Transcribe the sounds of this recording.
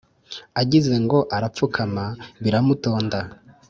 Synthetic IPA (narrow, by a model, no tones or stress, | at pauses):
aɟize̞ŋɡo̞ʔaɾap̪p͡fukʰamaβiɾamuto̞ːnda